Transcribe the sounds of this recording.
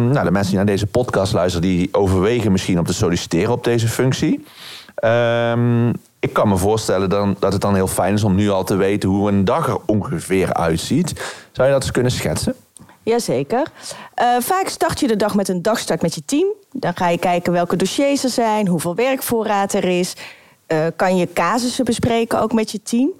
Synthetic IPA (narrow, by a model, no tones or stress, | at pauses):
nowdəmɛnsədinaːdejzəpɔtkɑstlœɥstərədiʔowvəɹʋejɣənmɪsxinɔp̚təsolisi̥tɪːrənɔb̚dejzəfɵŋksi | əm | ɪkːɑnməvʊːɹstɛləddɑtɦət̚dɑnɦɪːlˠfɛjnɪs̬ɔmnyɑlˠtəʋejtənɦuəndɑxərɔŋɣəvɪːɹœ̰ɥtsitsɑwjədɑtɪ̥skɵnəsxɛ̰tsə | jaːzejkərʔəfaːkstɑɹtjədədɑχmɛtəndɑxstɑɹtmɛtjətim | dɔnχaːjəkɛjkənʋɛlˠkədoʃejsəɹzɛjnɦuvɪːlˠʋɛrkfʊːraːtɛrɪs | əkɑnjəkaːzəsəbəsprejkəno̰wkmɛtjətʰim